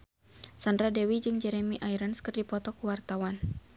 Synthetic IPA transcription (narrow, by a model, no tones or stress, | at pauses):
sandɾadɛwid͡ʒɨŋd͡ʒɛɾɛmiʔaiɾənskɨrdipɔt̪ɔkuwart̪awan